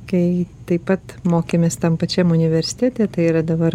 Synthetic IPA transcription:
kɐɪt̪ɐɪpɐt̪moːkʲemʲeːst̪ɐmpɐt͡ʃʲɛmʊnʲɪʋʲɛɾʲsʲɪ̥t̪ʲæːt̪ʲeːt̪ɐɪiɾɐd̪ɐbɐɾ

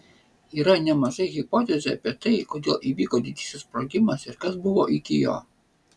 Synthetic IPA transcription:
iːɾɐnʲɛmɐʒɐɪɣʲɪpɔt̪ʲɛzʲɛɐ̰pʲiɛt̪ɐɪkoːd̪ʲeːlˠʔiʋʲiːkoːd̪ʲɪd̪ʲɪsʲɪspɾoːɡʲɪmɐsɪɾkɐsbʊʋoːʔɪkʲɪjo̰ː

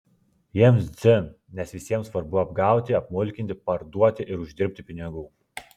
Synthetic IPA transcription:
jiɛmszʲɨ | nʲɛsʋʲɪsʲiɛmsʋɐɾbʊɐbɡɑˑʊt̪ʲɪɐpmʊlʲkʲɪnʲt̪ʲɪpɐɾd̪uɔt̪ʲɪʔɪɾʊʒʲd̪ʲɪɾʲpʲt̪ʲɪpʲɪnʲɪɡuː

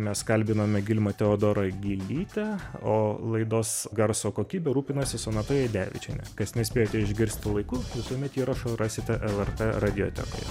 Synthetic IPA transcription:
mʲɛskɐlʲbʲɪnɐmʲɛɡʲɪlʲmɐt̪ʲɛoːd̪oːɾɐɡʲɪlʲiːt̪ʲɛoːlˠɐɪd̪oːsɡɐɾsoːkoːkʲiːbʲɛɾuːpʲɪnɐsʲɪsonɐt̪ojɛd̪ʲæ̰ːʋʲɪ̰t͡ʃʲɛnʲɛkɐsnʲɛsʲpʲeːjoːt̪ʲɛɪʒʲɡʲɪɾʲsʲt̪ʲɪlˠɐɪkuːʋʲɪsuːmʲɛt̪iːɾɐʃorɑːsʲɪt̪ʲɛʔɛlˠɛrt̪ɛrɑd̪ʲɪjo̰ːt̪ʲɛ̰ko̰ːj

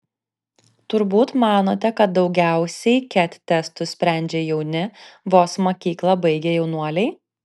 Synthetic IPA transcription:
t̪ʊɾbuːt̪mɑːnoːt̪ʲɛkɐt̪̚d̪ɒʊɡʲæˑʊsʲɛɪkʲɛt̪ʲt̪ʲːɛst̪ʊsʲpʲɾʲæˑnʲd͡ʒʲeːjɛʊnʲɪʋoːsmoːkʲiːklˠɐbɐɪɡʲejɛʊnuɔlʲɛɪ

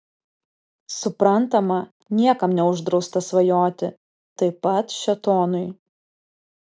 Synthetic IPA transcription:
sʊpɾɐnt̪ɐmɐ | nʲiɛkɐmnʲɛʊʒd̪ɾɒʊst̪ɐsʋɐjoːt̪ʲɪ | t̪ɐɪpɐt̪ʃʲɛt̪oːnʊɪ

